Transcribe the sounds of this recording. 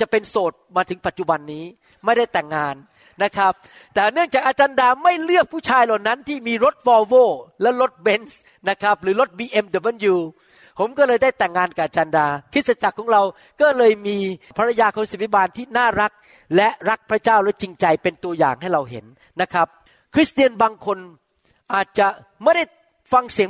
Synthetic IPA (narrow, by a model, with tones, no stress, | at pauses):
t͡ɕa˨˩pe˧nsoː˨˩t̪̚maː˧t̪ʰɯ˩˦ŋpa˨˩t̪̚t͡ɕu˨˩ba˧nːiː˦˥ | ma˥˩jda˥˩jt̪ɛ˨˩ŋːaː˧nː | a˦˥kʰa˦˥p̚ | t̪ɛː˨˩nɯ˥˩əŋt͡ɕaː˨˩k̚ʔaː˧t͡ɕaː˧ndaː˧ma˥˩jlɯ˥˩əp̚pʰːuː˥˩t͡ɕʰaː˧jla˨˩wna˦˥nt̪ʰiː˥˩miː˧ɾo˦˥t̪̚fɔː˧woː˥˩lɛ˦˥lo˦˥t̪̚be˦˥ns | na˦˥kʰa˦˥p̚ɾɯː˨˩˦lo˦˥t̪̚biː˧ʔe˧mda˨˩bnjuː˧ | pʰo˩˦mkɔː˥˩lɤː˧jda˥˩jt̪ɛː˨˩ŋːaː˧nka˨˩ʔa˧t͡ɕaː˧ndaː˧kʰɾi˦˥sa˧t͡ɕa˨˩kʰɔː˩˦ŋɾa˧w | kɔː˥˩lɤː˧jmiː˧pʰa˧ɾa˧jaː˧kʰɔ˧ŋsi˨˦t̪ʰi˥baː˧nt̪ʰiː˥˩naː˥˩ɾa˦˥k̚ | lɛ˦˥ɾa˦˥k̚pʰɾa˦˥t͡ɕaː˥˩wlɛ˦˥t͡ɕi˧ŋt͡ɕa˧jpe˧nt̪u˧ɐja̰ː˨˩ŋɦa˥˩jɾa˧wɦḛ˩˦nː | a˦˥kʰa˦˥p̚ | kʰɾi˦˥st̪i˧ənbaː˧ŋkʰo˧n | ʔaː˨˩t̪̚t͡ɕa˨˩ | ma˥˩jda˥˩j | fa˧ŋsi˨˩˦